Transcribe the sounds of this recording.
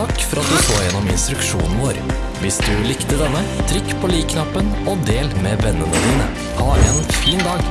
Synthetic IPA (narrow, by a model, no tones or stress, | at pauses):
ɑkːfɔɾɑt̪̚d̪ʉsoːɾjɛnːɔmɪ̰nst̪ɾʉkʃṵːnn̩ʋoːɾ | ʋɪsd̪ʉlɪkt̪əd̪ɛnːə | t̪ʰɾʏkːpʰɔliːkʰnɑpːənɔd̪eːlmeːʋɛnːənəd̪iːnə̰ | hɑɾeːnfiːnd̪ɑːɡ